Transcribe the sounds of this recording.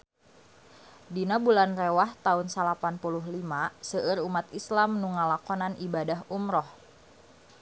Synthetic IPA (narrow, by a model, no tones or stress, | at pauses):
dinabulanrewaht̪aunsalapanpuluɦlimasəʔəɾumat̪islamnuŋalakɔnanʔibadaɦumɾɔh